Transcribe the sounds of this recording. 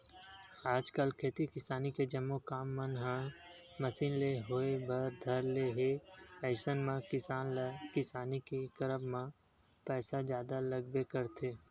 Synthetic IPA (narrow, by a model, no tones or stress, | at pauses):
aːd͡ʒkəlkʰeːt̪ikɪsaːniked͡ʒəmːokaːmːənɦã | məsiːnleɦoːebʱəɾd̪ʱəɾleɦeɛɪsənmãkɪsaːnlkɪsaːnikikəɾəbmã | pɛːsazjaːd̪aləɡ̚bekəɾt̪ʰeː